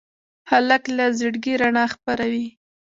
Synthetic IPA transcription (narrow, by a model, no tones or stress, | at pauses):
halaklazəɽɡiɾaɳɑxpaɾawi